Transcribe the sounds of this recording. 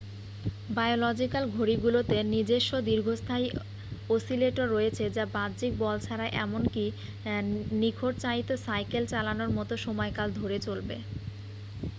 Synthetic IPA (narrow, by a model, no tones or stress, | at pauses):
bajolɔd͡ʑikalɡʱoɾiɡulot̪enid͡ʑeʃːod̪iɾɡʱost̪ʰaj | osileʈoɾːoet͡ɕʰed͡ʑabad̪d͡ʑik̚bɔlt͡ɕʰaɾaʔɛmonki | nikʰoʈ̚t͡ɕajt̪osajkelt͡ɕalanoɾmɔt̪oʃɔmɔekald̪ʱoɾet͡ɕolbḛ